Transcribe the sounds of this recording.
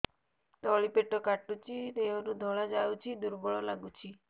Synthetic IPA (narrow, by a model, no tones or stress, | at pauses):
t̪ɔɭipeʈɔkaʈut͡ʃʰid̪eɔnud̪ʱɔɭad͡ʒawt͡ʃʰid̪uɾbɔɭɔlaɡut͡ʃʰi